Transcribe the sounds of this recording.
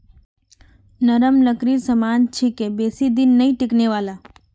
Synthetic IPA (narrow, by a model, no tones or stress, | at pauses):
nəɾəmləkɾiɾsəmaːnt͡ʃʰikebeːsid̪ɪnːəĩʈɪkneʋaːla